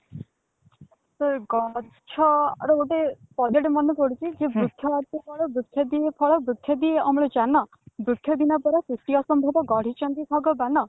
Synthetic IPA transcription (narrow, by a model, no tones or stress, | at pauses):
t̪ɔɡɔ | t͡ʃʰɔɾɔoʈepɔd͡ʒeʈemɔnɔkɔɽ̤ut͡ʃʰid͡ʒebɾut̪ʰjɔaɾt̪ɔpʰɔɭɔbɾut̪ʰjɔd̪iepʰɔɭɔbɾut̪ʰjɔd̪ieɔmɔɭɔt͡ʃanɔ | bɾuk̪ʰːjɔd̪inɔpɔɾɔsusʈiɔsɔmbʱɔbɔɡɔɽ̤it͡ʃɔnd̪ibʱɔɡɔbanɔ